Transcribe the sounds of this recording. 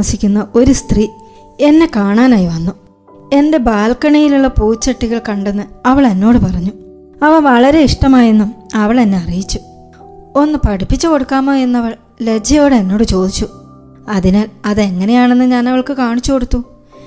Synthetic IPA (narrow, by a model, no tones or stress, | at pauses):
ɐsikʲːunːɐʔo̞ɾust̪riː | e̞nːe̞kaːɳaːnaːjiʋɐnːu | e̞nde̞baːlkɐɳɐjiluɭːɐpuːt͡ɕːɐʈːiɣɐɭkɐɳɖenːɨɐʋɐɭenːo̞ːɽɨpɐrɐɲːu | ɐʋɐʋɐɭɐɾe̞iʂʈɐmaːjenːumɐʋɐɭe̞nːe̞ɐrijit͡ɕːu | o̞nːɨpɐɽipːit͡ɕːɨko̞ɽukːaːmoːjenːɐʋɐɭ | le̞d͡ʑɐjo̞ːɽɨenːo̞ːɽɨt͡ɕo̞ːd̪it͡ɕːu | ɐðinaːlɐðe̞ŋːɐne̞jaːɳe̞nːɨɲaːnɐʋɐɭkɨkaːɳit͡ɕːuko̞ɽut̪ːu